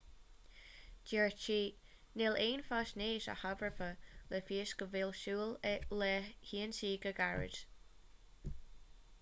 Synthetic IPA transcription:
d͡ʒɛɹt͡ʃiː | nɪleːnfasneːʃa̰havɹəfəlɛfiːsɡəvɪlʃuːlɛʔlɛhiːənsiːɡəɡaɹɪ̰d

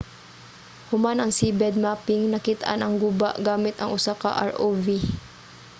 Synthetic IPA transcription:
hʊmanɐŋsibɛd̪̚maːpɪŋnɐkɪt̪ʔa̰nʔɐŋɡuːba̰ʔɡaːmɪt̪ɐŋʔʊsaka̰ʔa̰ɹʔovi

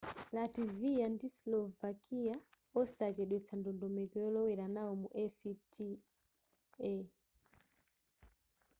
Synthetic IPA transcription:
lativiandislɔvakia | ɔsat͡ʃɛɗwɛt͡sʰandɔndɔmɛkɛɔlɔwɛɾanaɔmuʔɛsitʰi | ɛ

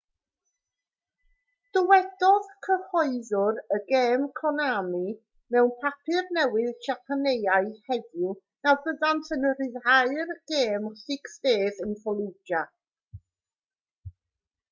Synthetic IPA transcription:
d̥ɔwɛdɔðkʰəhɔɨðʊɾəɡeːmkʰɔnami | mɛwnpʰapʰɨrnɛwɪðʃapʰanejaɨhɛdʊ | nawbəðantʰənərɪðaɨrɡ̥eːmɬɪksveːðənfɔlˠɪd͡ʒa

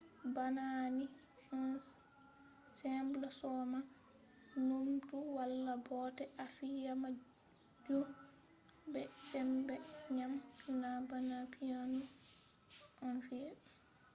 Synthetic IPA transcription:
banani | ɔn | sɛmblɔsɔma | nomtuwalːabɔtɛʔafijama | d͡ʒu | bɛsɛmbɛɲamnabanapʰianu | ʔɔnfiɛ

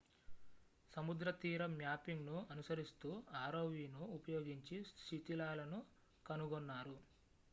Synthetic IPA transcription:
sɐmud̪ɾɐt̪iːɾɐmjaːpiŋɡnuɐnusɐɾist̪uːaːɾoːʋiːnuːpɐjoːɡiɲt͡ʃiʃit̪ilaːlɐnu | kɐnuɡɔnːaːɾu

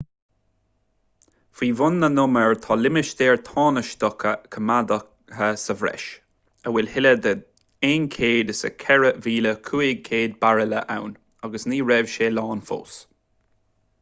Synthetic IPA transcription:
fiːvʊnːənʊməɹt̪ʰɑːlɪmɪʃd̪ɛːɹt̪ʰɑːnəʃt̪ɔkʰəkʰəmad̪ə | həsəvɾɛ̰ʃ | əwɛlhɪləd̪ə | eːnkʰeːd̪əsə̰kʰɛɹəviːləkʰuːɪɡ̚kʰeːd̪̚baɹələʔa̰wn | aɡəsniːɹɛv̥ʃeːlɑːnfo̰ːs

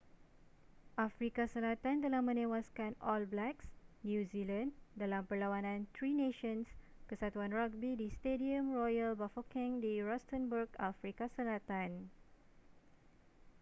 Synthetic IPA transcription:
ʔafɾikasəlat̪ãnt̪əlamə̃nẽwaskãnɔlblɛksnjuzilãndalãmpəlawanãnt̪ɹineʃə̃nskəsat̪wãnɹaɡ̚bidistediə̃mɹɔjəlbafɔkɛ̃ŋdiɹɔstə̃nbəɡafɾikasəlat̪ãn

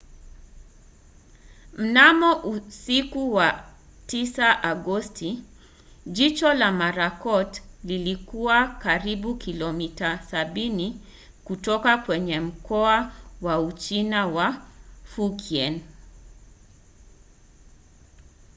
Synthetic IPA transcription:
m̩namɔʔusikuwa | tisaʔaɡɔsti | ʄit͡ʃɔlamaɾakɔtlilikuakaɾiɓukʰilɔmitasaɓini | kutɔkakwɛɲɛm̩kɔawaut͡ʃinawafukiɛn

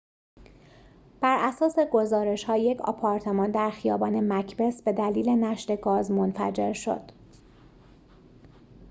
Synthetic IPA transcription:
b̥æɾʔæsɒːse̞ɡo̞zɒːɾe̞ʃhɒːje̞cʰɒ̰pʰɒːɾt̪ʰe̞mɒːnd̪æɾxijɒːbɒːne̞mæcʰbe̞sbe̞d̪æliːle̞næʃt̪e̞ɡɒːzmonfæ̰d͡ʒe̞ɾʃo̞̰d̪̥

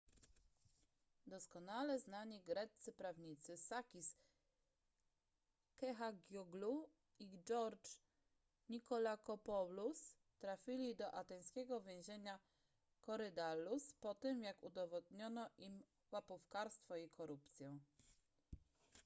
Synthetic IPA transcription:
d̪ɔskɔnalɛznaɲiɡɾɛt̪sɘpɾavɲit̪sɘsakʲis | kɛxaɡʲjuɡlu | id͡ʒɔɾt͡ʂ | ɲikɔlakɔpɔlus | t̪ɾafʲilʲid̪ɔʔat̪ɛj̃skʲɛɡɔvʲjɛ̃w̃ʑeɲa | kɔɾɘd̪aluspɔt̪ɛmjakud̪ɔvɔd̪ɲɔnɔʔim | wapufkaɾst̪fɔikʰɔɾupt̪sʲjɛ̃w̃

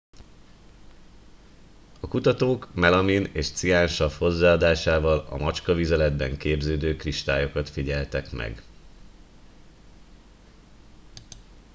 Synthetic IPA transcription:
ɒkut̪ɒt̪oːkmɛlɒmineːʃt̪siaːnʃɒfho̞zːaːɒd̪aːʃaːvɒlɒ̰mɒt͡ʃkɒvizɛlɛd̪bɛŋkeːbzøːd̪øːkriʃt̪aːjo̞kɒt̪fiɟɛlt̪ɛkmɛ̰ɡ

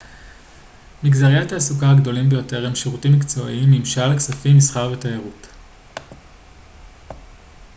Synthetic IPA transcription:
miɡzaʁijataːsukaɡdo̞limbejo̞te̞ʁhemʃeʁutimːikt͡so̞ʔḭimːimʃalksafimisχaʁvetoeʁut

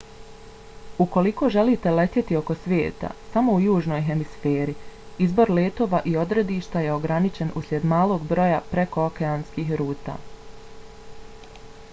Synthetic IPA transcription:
uko̞liko̞ːʒe̞liːt̪e̞le̞t̪je̞t̪io̞ko̞sʋʲjḛːt̪a̰samo̞ujuːʒno̞ːjɦe̞misfeːɾi | izbo̞ɾleːt̪o̞ːʋaʔio̞d̪ɾe̞d̪iːʃt̪aje̞o̞ɡɾanit͡ʃe̞nṵsɾʲjʲe̞d̪maːlˠo̞ːɡbɾo̞japɾe̞ko̞okeaːnskiːxɾuːt̪a̰ː

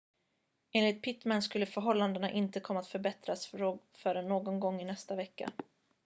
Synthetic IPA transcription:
eːnlɪt̪̚pʰɪt̪manskɵlːəfœɾɦɔlːand̪ənaʔɪnt̪əkʰɔmːaːt̪fœɾbɛt̪ɾasɾo | fœːɾənːoːɡɔnɡɔŋːɪnɛst̪avɛkːa̰

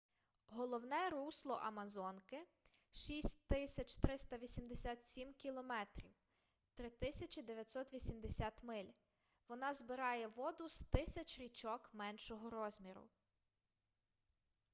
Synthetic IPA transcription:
ɦɔlˠɔwnɛɾuslˠɔ̰ʔɐmɐzɔnkɪʃisʲtʲt̪ɪsʲɐt͡ʃt̪ɾɪst̪ɐʋʲisʲimd̪esʲat̪sʲimkʲilˠɔmɛt̪ɾʲḭw | t̪ɾɪt̪ɪsʲɐt͡ʃid̪eʋʲjɐt̪ʲsɔt̪ʋʲisʲimd̪esʲat̪mɪlʲ | ʋɔnɑzbɪɾɑjɛʋɔd̪ʊst̪ɪsʲɐt͡ʃʲɾʲit͡ʃɔkmɛnʃɔɦɔɾɔzʲmʲiɾʊ̰

